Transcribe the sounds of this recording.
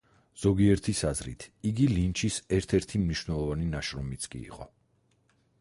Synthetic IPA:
z̥ɔɡiɛɾt̪ʰisazɾḭt̪ʰiɡilint͡ʃʰisɛɾt̪ʰɛɾt̪ʰimniʃwvnɛlˠɔvaninaʃɾɔmit̪sʰkʼḭḭqʼɔ̰

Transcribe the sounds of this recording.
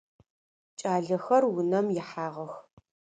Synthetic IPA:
t͡ʃʼaːɮɐxɐrwʊnɐmjɛħaːʁɐx

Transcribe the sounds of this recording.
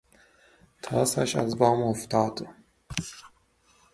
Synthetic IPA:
t̪ʰɒːsæʃæ̰zbɒːmoft̪ɑːd̪

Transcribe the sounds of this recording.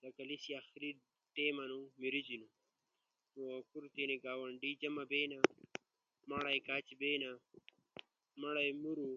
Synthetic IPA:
d̪ɐkɐlisiaxɾi | ʈ̪eːmɐnumiɾid͡ʑinu | nuwakuɾt̪eniɡaːwɐɳɖid͡ʒɐmɐbeːna | mɐɽajkaːt͡ʃibeːna | mɐɽajmuɾu

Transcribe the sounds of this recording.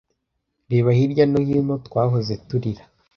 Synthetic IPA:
ɾiβahiɾɟanohimotwaːɦozetuɾiɾḁ

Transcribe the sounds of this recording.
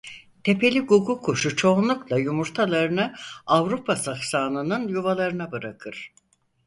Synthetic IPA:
t̪ʰe̞pʰe̞lʲiɡuɡukʰoʃut͡ʃʰo̞nlˠuklˠajumuɾt̪ʰalˠaɾɯnɯavɾupʰasaxsaːnˠɯnɯnjuvalˠaɾɯnabɯɾakʰɯɾ̥

